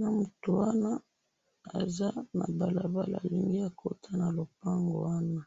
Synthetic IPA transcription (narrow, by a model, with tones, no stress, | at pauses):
na˦mu˨to˨wa˦na˦ | a̰˨za˦na̰˨ba˨la˨ba˦la̰˨li˨ŋɡi˦a˨kʰo˦tʰa˦na˨lo˨p̚a˦ŋɡo̰˨wa˦na˦